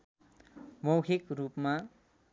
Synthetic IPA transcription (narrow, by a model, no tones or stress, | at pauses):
mʌwkʰikrupma